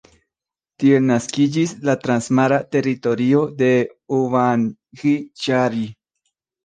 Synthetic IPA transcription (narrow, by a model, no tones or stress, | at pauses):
t̪ielnaskid͡ʒislat̪ɾansmaɾat̪e̞ɾit̪o̞ɾio̞d̪e̞uvan | xit͡ʃaɾi